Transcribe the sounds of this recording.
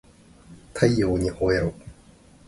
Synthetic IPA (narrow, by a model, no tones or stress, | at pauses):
k̪ʰajjoːɲiʔoeɾo